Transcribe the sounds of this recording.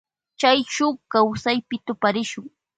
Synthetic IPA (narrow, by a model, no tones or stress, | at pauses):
t͡ʃajʃʊkawsajpɪt̪ʊpaɾɪʃʊŋ